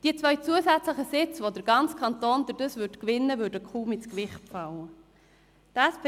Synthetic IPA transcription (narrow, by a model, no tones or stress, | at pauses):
d̥iːt͡svœʏt͡suəsæt͡sləχəsɪt͡sʋod̪əɾɡ̥ɑnt͡skʰɑnt̪oːnd̥̪əɾdəsvʏtkʋɪnːəvøɾdəkʰuːmɪt͡skʋɪχtpfɑlːə | dæsp